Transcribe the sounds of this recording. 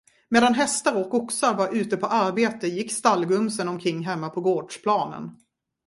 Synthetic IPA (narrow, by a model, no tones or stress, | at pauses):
meːd̪anɦɛst̪aɾɔkːɔksaɾvaɾʔʉ̟ːt̪əpʰɔʔaɾbeːt̪əjɪkːst̪alːɡɵmsənɔmkʰɾɪŋːɦɛmːapʰɔɡoːɖʂpʰlɑːnə̰n